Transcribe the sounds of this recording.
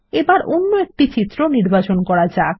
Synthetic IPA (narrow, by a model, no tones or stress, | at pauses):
ebaɾʔonːoek̚ʈit͡ɕit̪ːɾoniɾbat͡ɕonkɔɾad͡ʑae